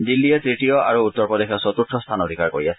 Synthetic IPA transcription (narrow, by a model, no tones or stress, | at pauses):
dilːiɛtɹitijɔa̰ɹuut̪ːɔɹpɔdexʰɔsɔt̪utʰɹɔst̪ʰanodʱikaɹko̰ɹiasɛ